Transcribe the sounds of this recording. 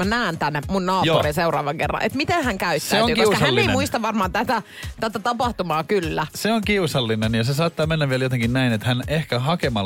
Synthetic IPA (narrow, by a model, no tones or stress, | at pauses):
mænæːnt̪ænːemunnɑːjpurinseurɑːʋɑŋkḛrːɑ̰nʔḛt̪mit̪ehæŋkæyt̪sæesoŋiiusɑhælnːeeimuist̪ɑʋʋɑrmɑːnt̪æt̪æ | t̪æt̪æt̪ɑpɑht̪umɑːkylːæseoŋkiusɑlːinenjɑsesɑːt̪ːɑːmenːæʋʋieæljot̪eŋkinnæinet̪hænehkæhɑkemɑ